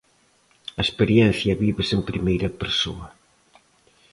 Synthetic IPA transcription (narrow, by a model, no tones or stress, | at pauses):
ɐespeɾjɛn̟θjɐβiβɪsempɾimejɾɐpeɾso̰ɐ